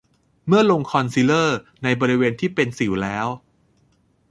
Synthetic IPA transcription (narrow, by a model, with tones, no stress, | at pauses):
mɯ˥˩ɐlo˧ŋkʰɔ˧nsi˦˥lɤː˥˩na˧jbɔː˧ɾi˦˥weː˧nt̪ʰiː˥˩pe˧nsi˩˦wlɛː˦˥w